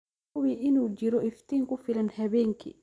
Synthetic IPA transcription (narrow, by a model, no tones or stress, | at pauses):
wiʔɪnuːt͡ʃɪɾɔɪft̪ʰiːŋkʰʊfɪlɐnhɐβɛːŋkʰḭ